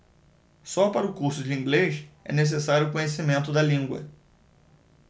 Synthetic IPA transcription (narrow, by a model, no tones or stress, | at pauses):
sɔpaɾʊkuɾsʊd͡ʒɪĩŋɡleʃɛ̰nes̬esaɾjʊːkõɲesimẽnt̪ʊd̪ɐlĩŋɡwɐ̰